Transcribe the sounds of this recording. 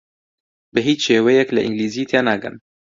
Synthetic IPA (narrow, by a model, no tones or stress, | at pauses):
bɨɦiːt͡ʃʃeːwɛjɛklɨʔɪ̰ŋɡliːziːt̪ʰeːnaːɡɨ̰n